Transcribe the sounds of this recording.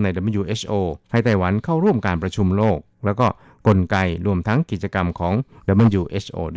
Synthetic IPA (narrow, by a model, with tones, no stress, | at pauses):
na˧jda˧˩məː˧juː˧ʔe˦˥sʰʔoː˧kʰa˥˩jt̪a˥˩jwa˩˦nkʰaː˥˩wɾu˥˩əmkaː˧npɾa˧t͡ɕʰu˧mloː˥˩k̚lɛː˦˥wkɔː˥˩ | ko˧nka˧jɾu˧əmt̪ʰa˦˥ŋki˨˩t̪̚t͡ɕa˧ka˧mkʰɔː˩˦ŋda˧˩mbɯ˧˨njuː˧ʔe˦˥sʔo̰ː˧